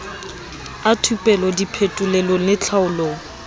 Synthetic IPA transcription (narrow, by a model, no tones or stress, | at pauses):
atʰupʼɛlɔdipʰetʼʊlɛlolɪt͡ɬʰaʊloːŋ̩